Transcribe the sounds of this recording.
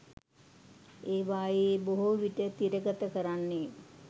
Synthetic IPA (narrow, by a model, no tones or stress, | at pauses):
eːʋaːjeboɦoʋiʈət̪iɾəɡət̪əkəɾanːe